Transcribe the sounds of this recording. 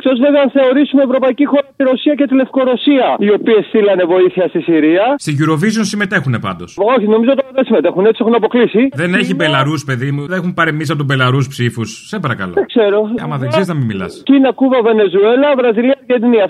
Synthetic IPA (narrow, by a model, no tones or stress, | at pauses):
ekt̪o̞zveveɐnθeo̞ɾisumeevɾo̞pɐicixo̞ɾɐt̪iɾo̞siɐce̞t̪ile̞fko̞ɾo̞siɐio̞piest̪ilɐne̞vo̞iθiɐst̪isiɾiɐst̪iʝuɾo̞vis̬ionsime̞t̪e̞xune̞pɐnd̪o̞soçino̞mizot̪oðesime̞t̪e̞xune̞t͡siexunɐpo̞klisiðe̞ne̞çibe̞lɐɾuspe̞ðimuðenexumpɐɾimis̬ɐpot̪ube̞lɐɾuspsifusːepɐɾɐkɐloeɡ̥se̞ɾo̞ɐ̰mɐðeɡzeɾiznɐmimilɐ̰scinɐkuvɐve̞ne̞zue̞lɐvɾɐziliɐʝeniniɐ